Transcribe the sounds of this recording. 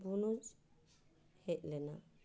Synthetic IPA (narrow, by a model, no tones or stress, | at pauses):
bunud͡ʒ | hɛʔlɛna